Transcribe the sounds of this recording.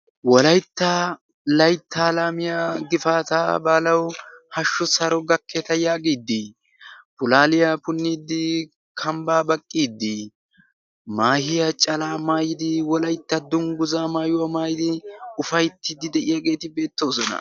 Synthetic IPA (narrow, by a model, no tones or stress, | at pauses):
wɔlɐjt̪ːɐ | lɐjt̪ːaːlaːmɪjaɡɪfaːt̪aːbaːlɐwhɐʃːʊsɐɾɔɡɐkʰːet̪ɐjaːɡiːd̪ːɪ | pʊlaːlɪjapʊnːiːd̪ːɪ | kʰɐmbaːbɐkʼːiːd̪ːɪ | maːhɪjɐt͡ʃʼɐlaːmaːjɪd̪ɪwɔlɐjt̪ːɐd̪ʊŋɡʊzaːmaːjʊwɐmaːjɪd̪ɪʊfɐjt̪ːɪd̪ɪd̪ɛʔɪjaɡe̞ːt̪ɪbe̞ːt̪ːo̞ːsɔnɐ̰